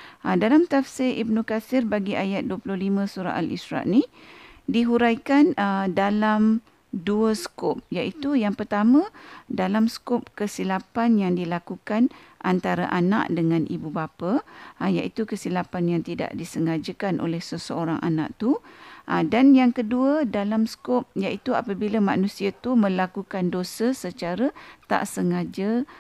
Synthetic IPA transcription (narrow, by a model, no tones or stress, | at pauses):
ədalamt̪afsɪɾib̚nũkasɪrbaɡiʔajat̪̚duəplʊhlimə̃suɾa̰ʔa̰lḭsɾa̰ʔnidiɦuɾajkanədalam | duəsə̥kʊp̚jaʔit̪ujaŋpərt̪amãdalamsə̥kop̚kəsilapanjaŋdilakukanʔant̪aɾaʔana̰ʔdəŋãnʔibubapaja̰ʔit̪ukəsilapanjaŋt̪ida̰ʔdisəŋad͡ʒəkanʔo̰lɛhsəsəoɾaŋʔa̰na̰ʔt̪uʔədanjaŋkəduədalamsə̥kop̚jaʔit̪ua̰pəbilamã̰nũsiat̪umə̃lakukandosəsət͡ʃaɾət̪a̰ʔsəŋad͡ʒə